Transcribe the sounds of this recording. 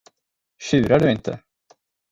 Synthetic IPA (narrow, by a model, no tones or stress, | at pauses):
ɕʉ̟ːɾaɖɵɪnt̪ʰə̰